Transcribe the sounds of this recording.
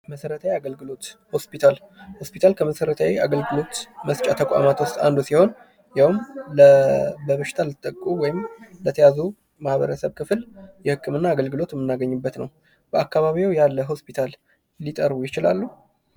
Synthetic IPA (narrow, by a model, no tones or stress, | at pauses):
məsəɾət̪ʰawiaɡəlɡɨlo̞t̪ho̞spit̪ʰal | ho̞spit̪ʰalkʰəməsəɾət̪ʰawiaɡəlɡɨlo̞t̪məst͡ʃʼat̪ʰəkʼa̰mat̪wʊst̪ʼa̰nd̪usiho̞n | jawɨmləbəβəʃɪ̥t̪ʰalɨt̪ʼːəkʼːuwɔjɪmlət̪ʰəjazu | mahβə̰ɾəsəβkʰɨfljɛhɨkːɨmɨnːaːɡəlɡɨlo̞t̪jɛmːɨnːaɡəɲːɨbːət̪nə̰w | b̥əakːaβaβiwjalːəɦo̞spʰit̪ʰal | lit̪ʼəɾβujɪt͡ʃɪla̰lːu